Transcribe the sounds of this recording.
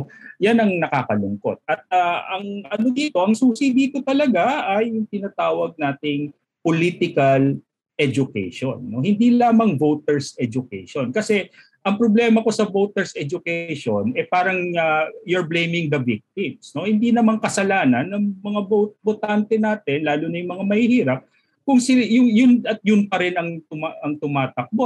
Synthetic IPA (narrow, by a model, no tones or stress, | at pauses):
janɐŋnɐkaːkɐlʊŋko̞̰t̪̚ʔɐt̪̚aːʔɐŋɐnod̪iːt̪o̞ʔɐŋsusid̪iːk̪ot̪ɐlɐɡaɐjʊŋt̪ɪnat̪aːwɐɡ̚naːt̪ɪŋ | poliːt̪ɪkɐl | ʔɛd͡ʒʊkɛ̰jʃo̰nːo̞hɪnd̪ilaːmɐŋvowt̪ɛɹsɛd͡ʒʊkɛjʃo̞nkɐsɛ | ʔɐŋpɾoblɛmɐko̞sɐvowt̪ɛɹsɛd͡ʒʊkɛjʃonɛpaːɾɐŋɐjʊɹblejmɪŋd̪ɐvik̚t̪ɪmsno̞hɪnd̪inɐmaŋkɐsɐlaːnɐnːɐŋmɐŋabot̪̚bot̪ant̪ɛnaːt̪ɪnlaːlʊnɐjʊŋmɐŋamɐhihiːɾɐp̚ | kʊŋsɪjʊŋjʊnɐt̪̚jʊnpɐɾɪnɐŋt̪ʊmaʔɐŋt̪ʊmaːt̪ɐk̚bo